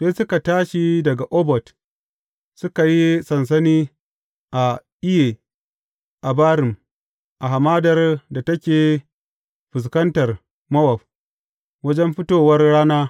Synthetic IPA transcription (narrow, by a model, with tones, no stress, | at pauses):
seː˦sʊ˦ka˨taː˦ʃi˨dɐ˨ɡa˨ʔoː˦bɔ˨t | sʊ˦ka˨ji˦sɐ˨ns̬ɐ˦niː˦ | ʔa˨ʔɪ˦je˨ | ʔa˨baː˦ɾɪ˨m | ʔa˨ɦa˨maː˦dɐ˨rda˨tɐ˦kʲeː˨ | ɸɪ˨s̬kɐ˦ntɐ˨r | mɐ˦wɐ˨p̚ | wɐ˦d͡ʒɛ˦mɸɪ˦toː˨wɐ˦rɽaː˦naː˦